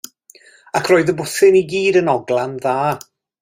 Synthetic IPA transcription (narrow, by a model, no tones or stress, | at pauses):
akʰroːɨðəbʊθɪniɡiːdənɔɡlˠanðaː